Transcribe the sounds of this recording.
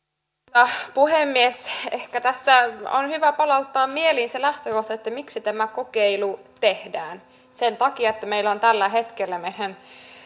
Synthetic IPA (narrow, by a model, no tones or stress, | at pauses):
ɑpuhemːiesehkæt̪æsːæo̰nhyʋæpɑlɑut̪ːɑːmmieliːnselæht̪økoht̪ɑet̪ːæmiksit̪æmækokeilut̪ehdæːn | sent̪ɑkiɑet̪ːæmeilont̪ælːæhet̪kelːæmeinæn